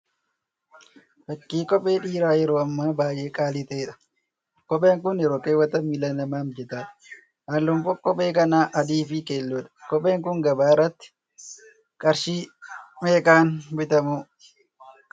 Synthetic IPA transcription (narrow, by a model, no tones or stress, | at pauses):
fɐkːiːkʼɔpʼe̞ːᶑiːɾaːjɛɾoːɐmːaːbaːjeːkʼaːlɪt̪ɐːᶑɐ̥ | kɔpʼeːŋkʊnɪɾoːkeːwɐt̪ɐmːilɐnɐmaːmd͡ʒɛt̪aːᶑɐ̥ | ʔɐlːɔmfɔkːɔpʼeːkɐnaːʔɐd̪iːfɪkeːlːoːᶑɐ̥kɔpʼe̞ːŋkʊŋɡɐbaːrːɐt̪ːɪ̥ | kʼɐɾʃiːmeːkaːnbɪt̪ɐmuː